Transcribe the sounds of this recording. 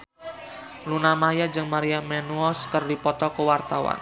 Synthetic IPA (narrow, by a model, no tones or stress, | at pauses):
lunamajad͡ʒɨŋmaɾiamɛnuɔskərdipɔt̪ɔkəwart̪awa̰n